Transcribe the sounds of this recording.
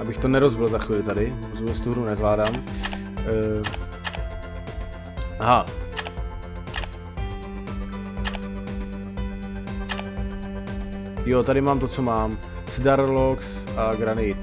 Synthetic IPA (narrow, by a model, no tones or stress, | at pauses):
ʔabɪxt̪onɛɾozbɪlzaxviːlɪt̪adɪ | zubɛst̪uɦɾunɛzvlaːdaːm | ɦa | jot̪adɪmaːmt̪ot͡somaːm | sdaɾloks | ʔaɡɾanɪ